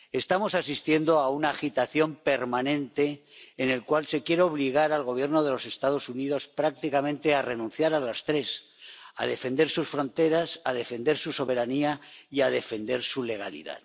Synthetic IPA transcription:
e̞st̪amo̞sasist̪je̞nd̪o̞aunaːxit̪aθjo̞mpe̞ɾmanẽnt̪e̞ːne̞lkwalse̞kje̞ɾeo̞β̞liɣaɾalɣo̞β̞je̞ɾno̞ð̞e̞lo̞se̞st̪að̞o̞suniðo̞spɾak̚t̪ikamẽnt̪e̞are̞nũnθjaɾalast̪ɾe̞s | a̰ðe̞fe̞nd̪e̞ɾsusfɾõ̞nt̪e̞ɾasaðe̞fe̞nd̪e̞ɾsuso̞βe̞ɾaniaiað̞e̞fe̞nd̪e̞ɾsule̞ɣ̞alḭða̰ð

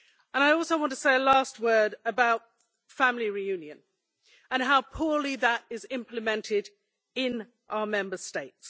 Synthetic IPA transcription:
ə̃ñaɪɔˑlˠsəʊwɒ̃ntʰə̥seɪəlɑˑst̚wɜ˞ɾəbaʊt̚ | fæ̃mliɹijʉ̃njɨ̃n | ə̃nɦaʊpʰɔːɹliðəɾɪzɪ̃mpʰlɨmɛ̃ntʰɪd | ɪ̃n | ʔaʊəmɛ̃mbəsteɪts

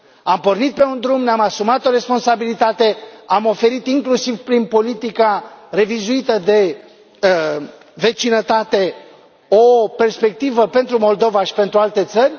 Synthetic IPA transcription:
ampo̞rnit̪̚pe̞und̪ɾumneamasumat̪o̞ɾe̞spo̞nsabilit̪at̪e̞amo̞fe̞ɾit̪iŋklusivpɾinpo̞lit̪ikare̞vizuit̪əd̪e̞ | ve̞t͡ʃinət̪at̪e̞ | o̞pe̞rspe̞k̚t̪ivəpe̞nt̪ɾumo̞ld̪o̞vaʃi̥pe̞nt̪ɾualt̪e̞t̪sərʲ

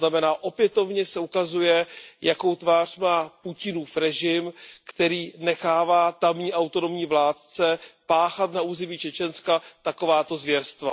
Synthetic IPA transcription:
namɛnaːʔo̞pjɛt̪o̞vɲɛsɛukazujɛjako̞wt̪vaːr̥maːpucɪnuːfɾɛʒɪmkt̪ɛɾiːnɛxaːvaːt̪amɲiːʔawt̪o̞no̞mɲiːvlaːt̪t͡sɛpaːxat̪nauːzɪmiːt͡ʃɛt͡ʃɛnskat̪ako̞vaːt̪o̞zvjɛɾst̪va̰

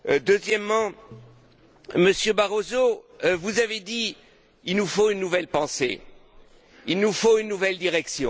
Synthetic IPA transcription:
d̪øzjɛmːɑ̃ | məsjøbaʁozovuzaved̪i | ilnufoynːuvɛlpɑ̃sḛ | ilnufoynːuvɛld̪iʁɛksjɔ̰̃

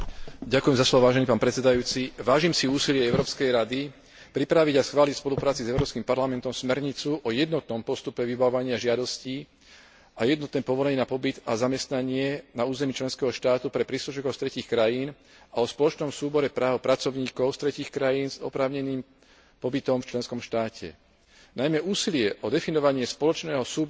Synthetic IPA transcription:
ɟakujɛmzaslɔʋɔʋaːʒɛnipaːnpɾɛt̪t͡sɛd̪ajuːt͡siʋaːʒimsiuːsilɪɛɛʊɾɔːpskɛjɾad̪i | pɾipɾaʋiɟasxʋaːlicspɔlupɾaːt͡sizɛʊɾɔːpskimpaɾlamɛnt̪ɔmsmɛɾɲit͡suʔɔjɛd̪nɔt̪nɔmpɔst̪upɛʋibaɔʋaɲɪaʒɪad̪ɔsciː | ajɛd̪nɔt̪nɛːpɔʋɔlɛɲɛːnapɔbid̪azamɛst̪naɲɪɛnauːzɛmiːt͡ʃlɛnskɛɦɔʃt̪aːt̪upɾɛpɾiːsluʃikɔʊst̪ɾɛciːxkɾajiːn | aɔspɔlɔt͡ʃnɔmsuːbɔɾɛpɾaːʊpɾat͡sɔʊɲiːkɔʊst̪ɾɛciːxkɾajiːnzɔ̰pɾaːʊɲɛniːm | pɔbit̪ɔmft͡ʃlɛnskɔmʃt̪aːcʰɛ̰ | najmɛʔuːsilɪɛʔɔd̪ɛfinɔʋaɲɪɛspɔlɔt͡ʃnɛːɦɔsuːb

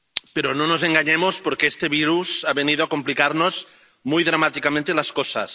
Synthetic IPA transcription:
peɾononozeŋɡaɲemospoɾkeest̪eβ̞iɾuzaβeniðoakomplikaɾnoz | mujðɾamat̪ikamẽnt̪elaskosa̰s

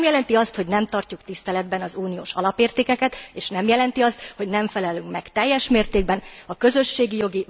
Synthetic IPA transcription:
mjɛlɛnt̪iɒst̪ho̞ɟnɛmt̪ɒrcukt̪ist̪ɛlɛd̪̚bɛnɒzuːnijo̰ːʃɒ̰lɒpeːrt̪eːkɛkɛt̪eːʃnɛmjɛlɛnt̪iɒst̪ho̞ɟnɛɱfɛlɛlyŋkmɛkt̪ɛjːɛʃmeːrt̪eːɡ̚bɛnɒkø̞zø̞ʃːeːɡijo̞ɡi

